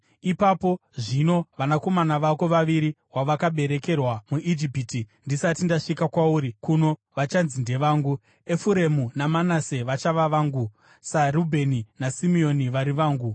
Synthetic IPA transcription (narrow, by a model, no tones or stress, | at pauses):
ipapo̞ʐino̞ʋanako̞manaʋako̞ʋaʋiɾi | waʋakaɓe̞ɾe̞ke̞rwamuʔid͡ʒipitindisatindaʂikakwauːɾikuno̞ʋat͡ʃanzinde̞ʋaːŋɡu | e̞fuɾe̞munamanase̞ʋat͡ʃaʋaʋaːŋɡu | sarubʱe̞ninasimio̞niʋaɾiʋaːŋɡu